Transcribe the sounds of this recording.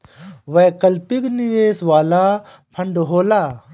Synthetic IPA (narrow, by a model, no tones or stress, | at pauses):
ʋɐkɐlpikniʋeːsʋaːlaː | pʰɐɳɖɦoːlaː